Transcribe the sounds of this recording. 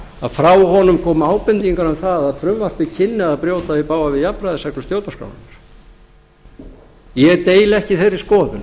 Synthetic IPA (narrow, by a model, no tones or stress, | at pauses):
aðfɾaːwhɔnʏmkʰɔːmaːwpɪnt̪iŋkaɾanθaðaðfɾʏmvar̥t̪ɪcʰɪnːɪaðpɾjoːwt̪aipaːwvavɪðjapɾajðɪsɛknʏst̪jowt̪askɾa̰wna̰naɾ̥ | jɛɣt̪eːjlɛhcɪθejɾɪ̥skɔːlʏn